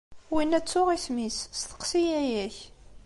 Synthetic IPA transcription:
winæt͡sːʊʁiθmisst̪ə̥qsijæjæç

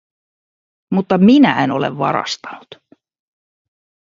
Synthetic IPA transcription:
mut̪ːɑminæ̰eno̞le̞̰ʋʋɑ̰ɾɑ̰st̪ɑ̥nu̥t̪

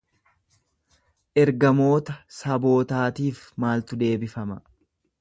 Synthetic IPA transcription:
ʔɛɾɡɐmo̞ːt̪ɐsɐbo̞ːt̪aːt̪iːfmaːlt̪ʊd̪e̞ːbɪfɐmɐ

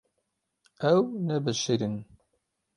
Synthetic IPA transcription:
æwnævəʃiɾən

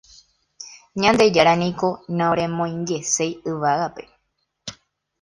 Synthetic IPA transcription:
ɲãnd̪e̞d͡ʒaɾanĩko̞nãoɾẽ̞mõ̞j̃ŋɡe̞se̞jɨʋaɣape̞

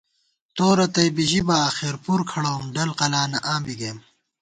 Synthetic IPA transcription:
t̪oːɾɐt̪ɐjbiʑibaːxiɾpuɾkʰɐɽoːmɖɐlqɐlaːnɐʔãːmbiɡeːm

